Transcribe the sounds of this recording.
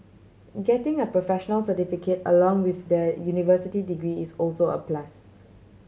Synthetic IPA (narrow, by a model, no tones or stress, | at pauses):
ɡɛtɪ̃ŋəpɹofɛʃənəlsətifikʰetə̰lɔ̃ŋwɪθdəjunivəsitidiɡɹiisɔlsoə̰plas